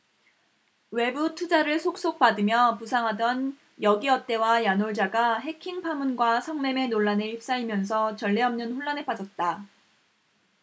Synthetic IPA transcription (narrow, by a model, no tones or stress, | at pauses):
we̞butʰud͡ʑaɾɯɭsʰok̚s͈ok̚padɯmjʌpusʰaŋɦadʌn | jʌɡiʌt̚t͈e̞wajanoɭd͡ʑaɡaɦe̞kʰiŋpʰamunɡwasʰʌŋme̞me̞noɭːanɯɭip̚s͈aimjʌnsʰʌt͡ɕʌɭːeʌmnɯnɸuɭːanep͈ad͡ʑʌt̚t͈a